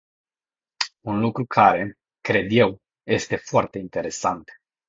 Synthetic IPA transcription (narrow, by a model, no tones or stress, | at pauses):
unlukɾukʰaɾe̞ | kɾe̞d̪je̞w | je̞st̪e̞foart̪e̞int̪e̞ɾe̞sa̰nt̪